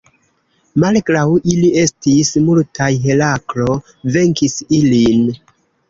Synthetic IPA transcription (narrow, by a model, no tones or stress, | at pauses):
malɡɾawilie̞stismultʰajɦe̞laklo̞ | ve̞ŋkisilin